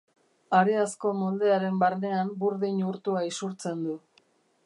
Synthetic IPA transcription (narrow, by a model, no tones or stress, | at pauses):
aɾeasko̞mold̪eaɾe̞mbaɾne̞ambuɾðiɲuɾt̪uaisuɾt͡se̞nd̪u